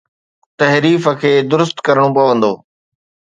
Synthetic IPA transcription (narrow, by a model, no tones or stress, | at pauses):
t̪ɐɦɾiːfəkʰeːd̪ʊɾʊst̪kɐɾəɽ̃õpɐʋə̃nd̪o̰ː